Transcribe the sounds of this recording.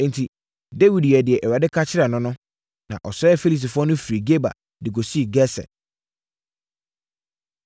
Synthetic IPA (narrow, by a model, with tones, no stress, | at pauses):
n˨tʰi˨ | de˦wi˨dɛ˨dɪ˨ɛ˨ʔɛ˨wa˨dɪ˦kʰa˦t͡ɕʰɪ˦ɾa˨nʊ̃˦nʊ̃˦ | nã̰˨ʔɔ˨sɛ˦ɛ˦fe˦li˨s̬i˨fʊ˦ɔ˦nʊ̃˦fi˨ɾi˨ɡe˦ba̰˨ | dɪ˨ɡo˨si˦˨ɡɛ˦sɛ̰˨